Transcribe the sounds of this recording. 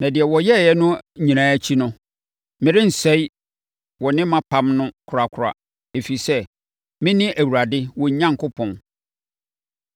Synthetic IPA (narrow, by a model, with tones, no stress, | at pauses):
nã˨dɪ˨ɛ˨wɔ˨jɛ˦˨jɛ˦nʊ̃˦˨ɲĩ˨nãː˦æ˦t͡ɕʰi˦nʊ̃˦ | mɪ̃˨ɾɪ̃˦n̩˨sɛ˦i˦ | wɔ˨nɪ̃˦mã˦pʰã˦mnʊ̃˦kʰʊ˨ɾa˨kʰʊ˨ɾa̰˨ | e˨fi˨sɛ˦ | mɪ̃˦nɪ̃˦ʔæ˨wu˨ɾa˨dɪ˦wɔ̃˨ɲ̩˨˦ɲã˦ŋ˦kʰʊ˦pʰɔ̃˨n